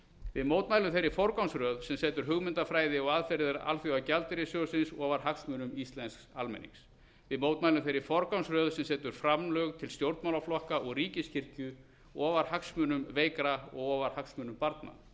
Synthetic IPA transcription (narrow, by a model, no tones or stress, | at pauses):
vɪðmowt̪majlʏmθejɾɪfɔɾkawnsɾœːðsɛmsɛːt̪ʏɾ̥ɦʏɣmɪnt̪afɾaːjðɪɔɣaðfɛɾɪðɪɾa̰lθjɔawcalt̪ɪɾɪsjoːwsɪnsɔːvaɾ̥haksmʏːnʏmist̪lɛnsksalmɛ̰nḭŋs | vɪðmoːwt̪majlʏmθejɾɪfɔɾkawnsrœːðsɛmsɛːt̪ʏɾ̥fɾamlœɣt̪ʰɪlst̪jowɾt̪mawlaflɔhkaʔɔɣriːcɪscʰɪr̥cʏ | ɔːvaɾ̥haksmʏːnʏmveːjkɾaɔ̰ɣɔːvaɾ̥haksmʏːnʏmpaɾt̪̚na̰